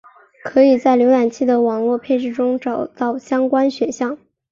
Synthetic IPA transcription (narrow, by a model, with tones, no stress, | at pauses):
kʰɤ˧˥i˨˩t͡sa˥˩ɪljo˧˥ʊa˨˩nt͡ɕʰi˥˩d̪ə˩wɑ˨˩ŋlwɔ˥˧pʰe˥˧ʂ̬ɻ̩˥˩ʈ͡ʂʊ˥ŋʈ͡ʂɑ˨˩ʊt̪ɑ˥˩ʊɕjɑ˥ŋkwa˥nɕɥɛ˨˧˩nɕjɑ˥˩ŋ